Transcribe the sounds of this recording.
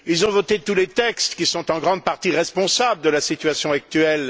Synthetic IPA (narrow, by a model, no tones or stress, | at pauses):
ilzɔ̃vɔt̪et̪ulet̪ɛkst̪kʲisɔ̃t̪ɑ̃ɡʁɑ̃d̪̚paʁt̪iʁɛspɔ̃sabləd̪əlasit̪ɥasjɔ̃ak̚t̪yɛl